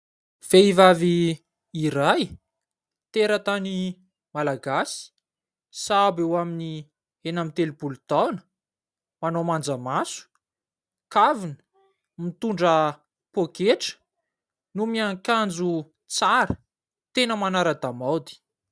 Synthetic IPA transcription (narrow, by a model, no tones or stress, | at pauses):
v̥eivaviː | iɾaj | t̪eɾət̪ani | malaɡasi̥ | sabewamini | enamit̪elibulut̪awnə̥ | manomand͡zəmasu̥ | kavinə̥ | mit̪uɳɖ͡ʐə | pokeʈ͡ʂə̥ | numiaŋkand͡zu | t͡saɾə | t̪enəmanaɾəd̪amawd̪i̥